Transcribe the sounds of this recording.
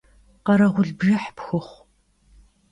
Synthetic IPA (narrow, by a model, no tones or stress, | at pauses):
qɐɾɐʁʷʊɮbʒɨħpxɨχʷ